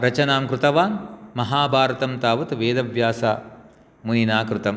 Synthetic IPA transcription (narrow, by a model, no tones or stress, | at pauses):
ɾɐt͡ʃɐnaːmkɾut̪ɐʋaːnmɐɦaːbʱaːɾɐt̪ɐmt̪aːʋɐt̪ʋeːd̪ɐʋjaːsa̰ | muninaːkɾut̪ɐm